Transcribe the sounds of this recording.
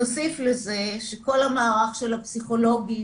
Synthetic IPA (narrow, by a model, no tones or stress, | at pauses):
osiflezeʃeko̞lhamaːʁaχʃelhapsiχo̞lo̞ɡi